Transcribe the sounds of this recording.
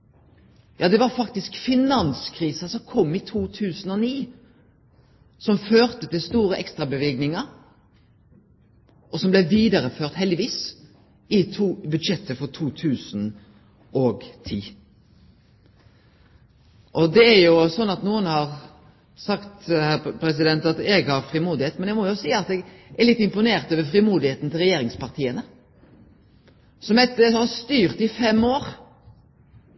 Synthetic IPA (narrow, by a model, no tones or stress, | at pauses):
jʔɑːd̪ɛʋɑɾfɑkt̪ɪskfɪnɑnskʰʁiːsəsɔmkʰɔmːɪt̪ʰuːt̪ʰʉːsn̩ɔniː | sɔmføːʁt̪ət̪ɪlst̪uːɾəʔɛkst̪ɾɑbəʋeːɡnɪŋə | ʔɔsɔmblɛʋiːd̪əɾəføːʁt̪hɛld̪ɪʋiːs | ɪt̪ʰuːbʉd̪ʃɛt̪ːəfɔʁt̪ʰuːt̪ʰʉːsn | ʔɔɡt̪ʰiː | ʔɔd̪ɛæɾjʊsɔnːɑt̪nuːənhɑɾ | sɑkt̪hæpʰɾɛs̬ɪd̪ɛnt̪ɑt̪ɛɡhɑɾfɾɪmuːd̪ɪheːt̪mɛnɛɡmɔjʊsiːɑt̪ɛɡʔæɾlɪt̪ːɪmpʊneːɾt̪øːʋəfɾɪmuːd̪ɪheːt̪n̩t̪ʰɪlɾʁɛjeːɾɪŋspɑʁt̪ʰiːənə | sɔmɛt̪ːəhɑst̪yːʁt̪ɪfɛmoːɾ